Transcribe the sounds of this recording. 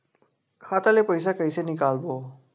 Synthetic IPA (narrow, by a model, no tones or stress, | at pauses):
hat̪alepəjs̬akəjsenikalbo